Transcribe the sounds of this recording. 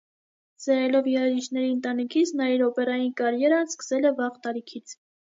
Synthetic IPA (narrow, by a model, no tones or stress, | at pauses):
zɛɾɛlɔvjɛɾɛʒit͡ʃʰnɛɾiənt̪ɑnikʰit͡sʰnɑiɾɔpɛɾɑjinkɑɾjɛɾɑnskə̥sɛlɛvɑʁt̪ɑɾikʰit͡sʰ